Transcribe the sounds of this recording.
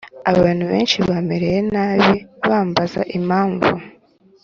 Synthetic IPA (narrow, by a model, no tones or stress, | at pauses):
aβaːn̤̥huβe̞̰ːnʃiβaːmeɾejenaːβiβaːmbaza̰ʔimaːɱvu